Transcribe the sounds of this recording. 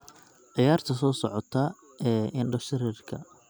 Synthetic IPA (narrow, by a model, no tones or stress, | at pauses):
ʕɪjaːrt̪ʰɐsɔːsɔʕɔt̪ʰɐ | ɛːɪnɖɐʃɪɾiːrkʰɐ